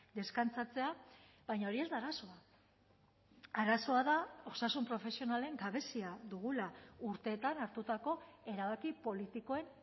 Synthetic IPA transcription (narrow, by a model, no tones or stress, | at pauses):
d̪e̞skant͡sat͡se̞a | βajɲao̞ɾie̞zd̪aːɾaso̞a | aɾaso̞aðao̞sasumpɾo̞fe̞sio̞nale̞ŋɡaβe̞siaðuɣulauɾt̪e̞ːt̪anaɾt̪ut̪ako̞e̞ɾaβ̞akipo̞lit̪iko̞e̞n